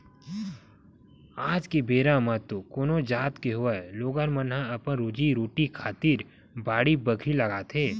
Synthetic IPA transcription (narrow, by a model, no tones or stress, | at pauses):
aːd͡ʒkebeːɾãmat̪okoːnod͡ʒaːt̪keɦʊaloːɡaɾmənɦãɐpənɾoːd͡ʒiɾoːʈikʰaːt̪iɾ | baːɽibəɡʰʱilɐɡaːt̪ʰeː